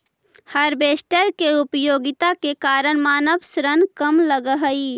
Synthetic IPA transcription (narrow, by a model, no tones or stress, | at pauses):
həɾbeːsʈəɾkeʊpəjoːɡɪt̪akekaːɾəɽ̃maːnəbsɾənkəmləɡəɦəi